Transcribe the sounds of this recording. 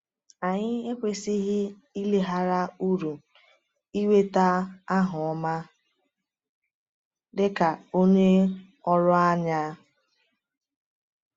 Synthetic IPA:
a˨ɲɪ˦e˦kʷe˨si˦ɦɪ˦ | i˦le˦ɦa˦ɾa˦u˦ɾu˨ | i˦we˦ta˦a˦ɦʊ˨ɔ˦ma˦ | dɪ˦ka˨o˦ɲe˦ | ɔ˦ɾʊ˦a˦ɲa˦

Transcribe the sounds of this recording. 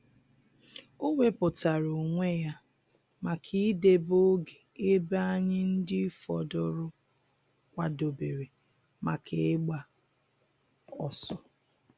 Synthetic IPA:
o˦ŋʷe˦pʊ˨ta˨ɾo˨ŋʷe˦ja˦ | ma˨kʰi˦de˦bo˦ɡe˨e˦ba˦a˦ɲɪ˦n̩˦dɪ˦fɔ˨dɔ˨ɾʊ˦ | kʷa˨do˨be˨ɾe˨ | ma˨kʰe˨ɪ˦ɡ͡ba˦˨ | ɔ˨sɔ˦

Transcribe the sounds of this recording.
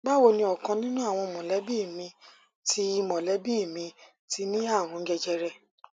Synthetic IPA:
ɡ͡ba˦wo˧nĩ˧ɔ˨kã˧nĩ˦nũ˦a˦˨w̃ɔ̃˧mɔ̃˨lɛ˨˦bi˦˨mĩ˧ | tʰi˧˦˧mɔ̃˨lɛ˨˦bi˦˨mĩ˧ | ti˧nĩ˦a˦˨w̃ɔ̃˧˦ɡɛ˧d͡ʒɛ˧ɾɛ˧˨

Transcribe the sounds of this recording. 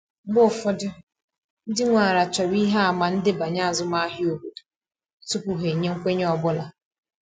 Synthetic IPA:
ɡ͡bʊ˦˨fɔ˦dʊ˦ | n̩˦dɪ˦ŋʷa˨ɾa˨t͡ʃɔ˨bi˦ɦa˦a˨ma˨n̩˦dɪ˦ba˨ɲa˦a˨zʊ˦ma˦ɦɪ˦o˨bu˨ | tʊ˦ku˨ɦe˨ɲe˦ŋ̩˦kʷe˦ɲ˦ɔ˨bʊ˦la˨

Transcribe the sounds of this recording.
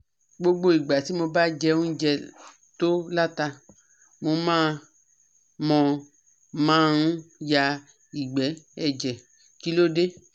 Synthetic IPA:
ɡ͡bo˧ɡ͡bo˧˨i˨ɡ͡ba˨si˨˦mo˧ba˦d͡ʒɛ˧˦ũ˦d͡ʒɛ˧ | to˦la˦ta˧ | mo˧mãː˦˨ | mɔ̃˧ | mãː˦˨nũ˦ja˧ | i˨ɡ͡bɛ˨˦ɛ˧d͡ʒɛ˨ | ki˦lo˦de˦

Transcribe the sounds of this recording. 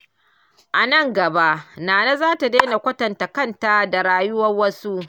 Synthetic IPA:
ʔa˨nɐ˦˨ŋɡɐ˨ba˦ʔnaː˨na˦zaː˦ta˨deː˦na˨kʷɐ˦tɐ˨nta˨kɐ˦nta˦da˨ɽaː˦jʊ˦wɐ˦rwɐ˦su˦ʔ

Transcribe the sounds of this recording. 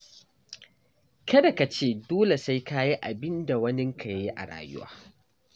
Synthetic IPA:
kɐ˦da˨ka˨t͡ʃeː˦˨doː˦le˨sa˦jka˦ji˦ʔa̰˨bɪ˦nda˨wɐ˦nɪ˦ŋkʰa˨jje˦ʔa̰˨ɽa̰ː˨jʊ̰˦wa̰ː˨

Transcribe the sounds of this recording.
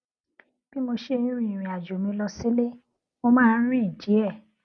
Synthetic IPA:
b̥i˦mo˧ʃe˦˧ĩ˦ɾ̃ĩ˨ɾ̃ĩ˨a˨d͡ʒo˨mĩ˧lɔ˧si˦le˦ | mo˧mãː˦˧n̩˦ɾ̃ĩ˦i˨d͡ʒi˨˦ɛ˦˨

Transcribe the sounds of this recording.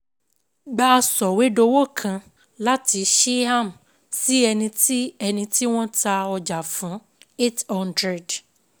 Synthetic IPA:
ɡ͡ba˦˧sɔ˨we˨˦do˧wo˦˨kʰã˧ | la˦ti˧˦ʃe˦a˦˨m˨ | si˦ɛ˧nĩ˧ti˦ɛ˧nĩ˧ti˦w̃ɔ̃˦ta˧ɔ˧d͡ʒa˨fũ˨˦ | e˦tɔ̃˦˧ndɾɛ˨d

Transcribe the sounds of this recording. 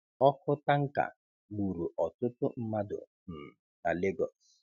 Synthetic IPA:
ɔ˦fʊ˦ta˦ŋ̩˦ka̰˨ | ɡ͡bu˨ɾu˨ʔɔ˨tʊ˦tʊ˦m̩˦ma˦dʊ̰˨ | m̩˨ | na˨le˦ɡɔ̰˨s

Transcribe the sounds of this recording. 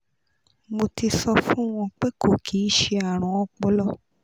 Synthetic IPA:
mo˧ti˧sɔ˧fũ˦w̃ɔ̃˧k͡pe˦ko˦˨kʰi˨˦ʃe˧a˦˨ɾ̃ɔ̃˨˧˦ɔ˧k͡pɔ˧lɔ˦˨

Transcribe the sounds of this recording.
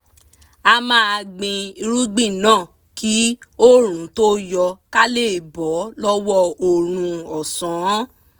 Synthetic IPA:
a˧mãː˦a˧ɡ͡bĩ˧i˧ɾu˦ɡ͡bĩ˦˨nãː˦˨ | ki˨˦o˦ɾ̃ũ˨˦to˦jɔ˧ka˦le˦˨bɔ˨˦lɔ˦wɔ˦o˨ɾ̃ũ˧ɔ˨sɔ̃˨˦

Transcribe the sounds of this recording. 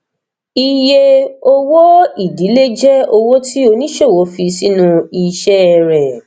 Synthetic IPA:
i˧je˧o˦wo˦i˦˨di˨˦le˦d͡ʒɛ˦o˧wo˦tʰi˦o˧nĩ˦ʃe˦˨wo˨˦fi˧si˦nũ˧i˧ʃɛ˦˧ɾɛ˨

